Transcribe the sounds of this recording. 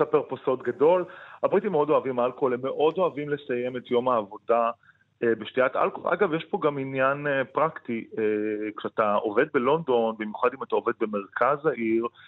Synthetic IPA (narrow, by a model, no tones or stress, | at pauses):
sapeʁposo̞tɡado̞lhabʁitimeo̞do̞avimalkolemːe̞ʔo̞do̞avimle̞sajemetjo̞maːvo̞da | ebeʃtiatʔa̰lkolʔa̰ɡavjeʃpo̞ɡaminjanepʁaktiekʃeataove̞d̚be̞lo̞ndo̞nbimjuχadimatao̞ve̞d̪̚be̞me̞ʁkʰazaʔiʁ